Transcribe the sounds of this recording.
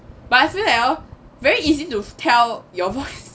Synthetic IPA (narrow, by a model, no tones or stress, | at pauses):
b̥asĩnɛɔ | vɛɹiizitutʰɛljɔvɔɪs